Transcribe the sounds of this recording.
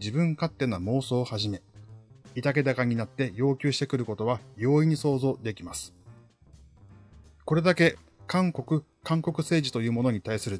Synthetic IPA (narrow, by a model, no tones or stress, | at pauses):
d͡ʑibɯ̟̃ŋkat̪ːe̞namo̞ːso̞ːhaʑime̞ | it̪ake̞d̪akaɲ̟inat̪ːe̞jo̞ːkʲɨːɕi̥t̪e̞kɯ̟ɾɯ̟ko̞t̪o̞βajo̞ːiɲ̟iso̞ːzo̞ːd̪e̞kʲimasɨ̥ | ko̞ɾe̞d̪ake̞ | kãŋko̞kɯ̟ | kãŋko̞kɯ̟se̞ːʑit̪o̞jɯ̟ːmo̞no̞ɲ̟it̪aisɨɾɯ̟